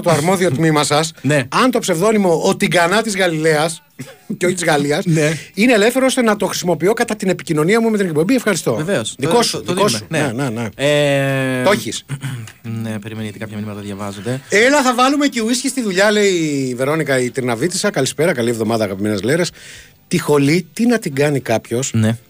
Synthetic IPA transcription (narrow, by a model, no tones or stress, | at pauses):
t̪oɐɾmo̞ðio̞t̪mimɐsɐsneɐnt̪o̞pse̞vðo̞nimo̞ʔot̪iɡɐnɐt̪izɣɐlile̞ɐs | ceo̞çit̪izɣɐliɐsineːle̞fθeɾoost̪e̞nɐt̪o̞xɾisimo̞pio̞kɐt̪ɐt̪ine̞picino̞niɐmumet̪inek̚po̞bie̞fxɐɾist̪o̞veveosðiko̞suðiko̞sunenene | o̞çis | nepeɾimenijot̪ikɐpçɐminimɐt̪ɐðʝɐvɐzod̪eelɐθɐvɐlume̞ceuisçist̪iðuʎɐle̞ive̞ɾo̞nikɐit̪ɾinɐvit̪isɐkɐlispe̞ɾɐkɐlievðo̞mɐðɐːɣɐpime̞neleɾes | t̪ixo̞lit̪inɐt̪iɡɐnikɐpço̞sne